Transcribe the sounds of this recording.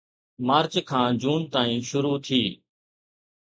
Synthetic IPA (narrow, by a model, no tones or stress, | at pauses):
maːɾt͡ʃkʰãːd͡ʒuːnt̪aːĩːʃʊɾuːt̪ʰiː